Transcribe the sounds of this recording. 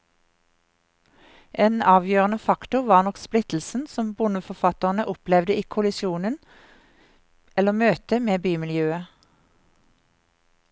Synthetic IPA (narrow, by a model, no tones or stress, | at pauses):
ʔeːnɑːʋjøːʁənəfɑkt̪ʊʋɑːʁnɔksplɪt̪l̩sn̩sɔmbʊnəfɔfɑt̪əʁnəʔʊplɛʋd̪əiːkʰʊlɪʃjuːnən | ɛləmøːt̪əmeːbyːmɪljøːə